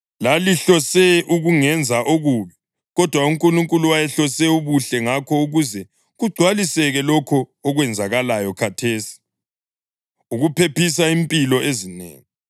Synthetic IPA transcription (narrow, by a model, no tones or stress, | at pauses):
laliɬɔsɛʔuɣuŋɛnd͡zʱaʔoɣuβi | ɣɔd̥ʱwauŋkʼuluŋkʼuluwajɛɬɔsɛuβuɬɛŋakʰɔuɣuzɛ | ɣuɡ͡ǀʱwalisɛɣɛlɔkʰɔːɣwɛnd͡zʱaɣalajɔkʰatʰeːsi̥ | uɣupʰepʰisaimpʼilɔʔezinḛːŋi